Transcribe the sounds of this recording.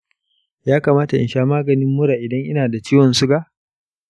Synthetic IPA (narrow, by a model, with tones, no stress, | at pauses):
jaː˦kaː˨maː˦ta˨ʔɪ̰˨nʃaː˦maː˦ɡɐ˨nɪ˦mːʊ˦ɽaː˨ʔɪ˨dɐ˦ŋʔɪ˦naː˨da˨t͡ʃiː˦wɔ˨nsu˦ɡa˦ʔ